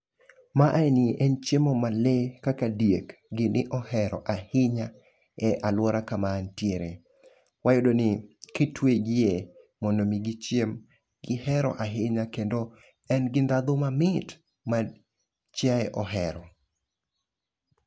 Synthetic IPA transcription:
maʔaɛniʔɛnt͡ʃemɔmalekakadjekɡɪnʔɪʔɔhɛɾɔʔahɪɲa | ɛʔalwɔɾakamantjeɾe | wajodonɪketweɡɪje | mɔndomiɡɪt͡ʃjem | ɡɪhɛɾɔ̰ʔaɦɪɲakendo | ɛnɡɪndad̪ʊmamɪt | ma | t͡ʃjaɛʔɔɦɛɾɔ

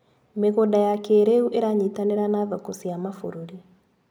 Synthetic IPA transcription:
meɣodajakeːɾeuʔeɾaɲitaneɾanaːðakosiamafo̰ɾoɾi

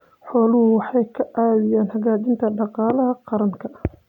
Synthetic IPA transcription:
ħɔːlʊɦʊwɑħɑjkʰɐaːðɪjaːnhɐɣaːt͡ʃɪnt̪ʰɐɖɑqɑːlɐɦɐqɑɾɐŋkʰɐ

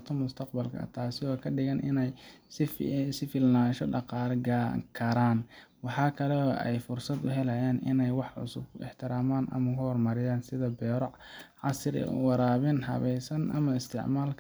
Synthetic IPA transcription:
t̪ʰɐmʊst̪ʰɐqbɐlkʰɐ̰t̪ʰaːsɪɔːkʰɐɖɪɣɐnʔɪnɛj | sɪfɪlnaːʃɔɖɑqɑːlɡakʰɐɾaːn | wɑħɑːkʰɐlɔɛjfʊrsɐd̪ʊɦɛlɐjaːnɪ̰nɛjwɑħʕʊ̰sʊbɪ̰ħt̪ʰɪɾaːmaːnʔɐ̰mɐkʰʊhɔrmɐɾɪjaːnsɪðɐbɛːɾɔʕʕɑsɾ̰wɑɾaːβɪnɦɐ̰βɛjsɐnʔɐ̰mɐɪst̪ʰɪ̰ʕmaːlkʰ

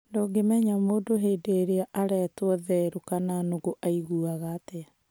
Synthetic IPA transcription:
ndoːɡemɛɲamoːdoɦeːdeɾeaʔaɾɛtwɔðɛɾokananoɣoʔaiɣuaɣate

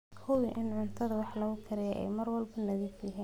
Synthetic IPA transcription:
hʊwʔɪnʕʊnt̪ʰɐðɐwɑħlɐɣʊkʰɐɾɛjɛʔɛ̰jmɐrwɐlbɐnɐðiːfjɐɦiːn

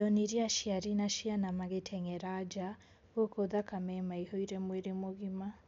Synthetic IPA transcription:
ɔniɾiaʃiaɾinaʃianamaɣetʰɛŋɛɾad͡ʒa | okoðakamɛmaihoiɾɛmweɾemoɣima

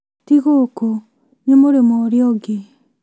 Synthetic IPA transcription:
tiɣoko | nemoɾemɔːɾeɔɡe

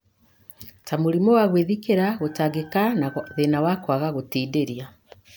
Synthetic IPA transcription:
tamoɾimɔwaɣweðikeɾaɣotaɡekanðenawakwaɣaɣotiːdeɾia

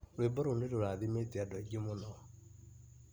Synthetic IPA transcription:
webɔɾoneɾoɾaðimeteadɔɛɡemonɔ

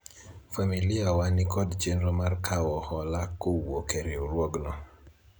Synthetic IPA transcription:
familiawanikɔdd͡ʒenɾomarkʰawɔhɔlakowokeɾeoɾwɔɡnɔ

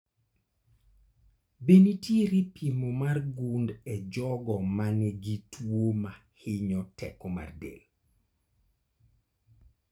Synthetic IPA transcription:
benitjeɾipʰimomarɡundɛd͡ʒɔɡɔmanɛɡitʰwomahɪɲɔtɛ̰koma̰rdḛl

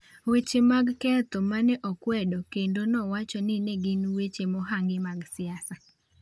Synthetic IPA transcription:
wet͡ʃemaɡkɛt̪ɔmanɛʔɔkwɛdɔkendonɔwat͡ʃɔnɪneɡɪnwet͡ʃemɔɦaŋɡɪmaɡsɪasa

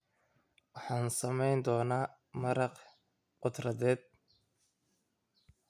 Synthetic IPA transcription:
wɑħɑːnsɐmɛjnd̪ɔːnaː | mɐɾɑq | qʊd̪rɐðɛːd̪̚

